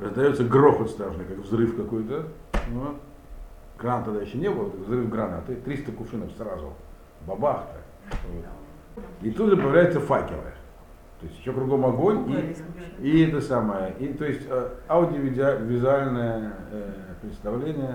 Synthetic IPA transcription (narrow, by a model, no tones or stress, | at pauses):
rəzd̪ɐjo̞t̪sːəɡroxət̪st̪ɾaʐnɨjkakvzrɨfkɐko̞jt̪ə | no | ɡ̥rant̪ːɐd̪ajɪɕːonʲebɨlˠvzrɨfɡranat̪ɨt̪ɾʲist̪əkʊʂɨnəfsrazʊ̰ | bɐbaxt̪ɨ̰ | vot̪ | it̪ud̪ʐɨpəjɪvlʲæjɪt̪səfakʲɪ̰ɾə̰ | t̪oɪsʲtʲjɪɕːokɾʊɡo̞mɐɡo̞nʲiɪɛt̪əsaməjəʔit̪ojɪsʲtʲaʊdʲɪəvʲɪvʲɪzʊalʲnəjə | pɾʲɪt̪st̪ɐvlʲenʲɪjə